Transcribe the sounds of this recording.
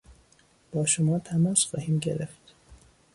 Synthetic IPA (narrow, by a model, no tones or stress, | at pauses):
b̥ɒːʃomɒːt̪ʰæmɒːsxɒːhiːmɟe̞̰ɾeft̪